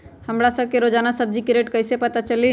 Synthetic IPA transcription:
həmɾasəb̚keɾoːd͡ʒaːnasəb̚d͡ʒikɾeːʈkɐɪsepɐt̪at͡ʃəli

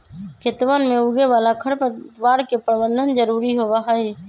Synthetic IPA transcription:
kʰet̪ʋənmeuɡeʋalakʰəɾpʋaɾkepɾəbənd̪ʱənd͡ʒəɾuɾiɦobaɦəi

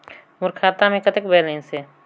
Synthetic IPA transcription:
mʊɾkʰaːt̪amẽkət̪ekbeːlẽse

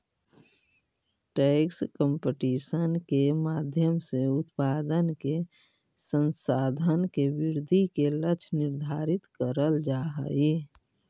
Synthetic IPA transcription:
ʈɛkskəmpeʈisənkemaːd̪ʱjəmseʊt̪paːd̪ənke | sənsaːd̪ʱənkebɪɾd̪ʱikelət͡ʃʰnɪɾd̪ʱaːɾɪt̪kəɾəld͡ʒaɦə̰i

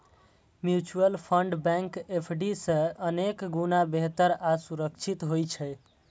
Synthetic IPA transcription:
mjut͡ʃuəlpʰəɳɖbɛ̃ŋkepʰɖisə̃ənekɡunabeɦt̪əɾasuɾəkt͡ʃʰit̪ɦojt͡ʃʰɛ

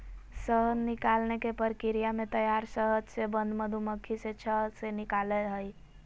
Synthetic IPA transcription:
səɦənːikalnekepəɾkiɾijamẽt̪əjaɾsəɦəd͡ʒsebə̃nd̪məd̪ʱuməkʰiset͡ʃʰəsenikaləɦəj

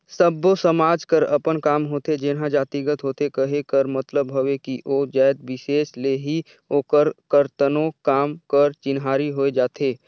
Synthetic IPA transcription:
səbosəmaːd͡ʒkəɾɐpənkaːmɦoːt̪ed͡ʒenɦãd͡ʒaːt̪iɡət̪ɦoːt̪ekəɦekəɾmɐt̪ləbɦoʋekiʔoːd͡ʒaːd̪bɪʃeːʃleɦi | oːkəɾkəɾt̪ənõkaːmkəɾt͡ʃɪnɦaːɾiɦoːed͡ʒaːt̪ʰeː

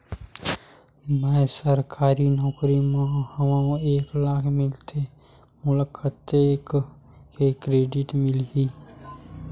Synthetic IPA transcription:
mɛ̃səɾkʰaːɾinɔːkɾimãhəʋãeːklaːkʰmɪlt̪ʰe | mʊləkʰːət̪ːeːk | kekɾeːɖɪʈmɪlɦiː

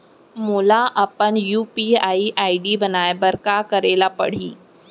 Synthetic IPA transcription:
muːlaʔəpənjuːpiaiʔaːiɖiːbənaːjbəɾkakəɾeːlapə̰ɽ̤iː

